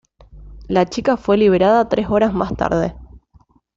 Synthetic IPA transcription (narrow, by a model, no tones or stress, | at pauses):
lat͡ʃikafwe̞liβ̞eɾaðat̪ɾʔe̞so̞ɾazma̰st̪a̰ɾðḛ